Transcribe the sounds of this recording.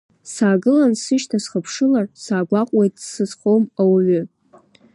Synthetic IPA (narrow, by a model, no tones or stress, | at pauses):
saːɡɨlansɨʃtʰasχəpʰʂɨlarsaːɡʷaqʷʼwejtʼsɨzχomawaɥʏ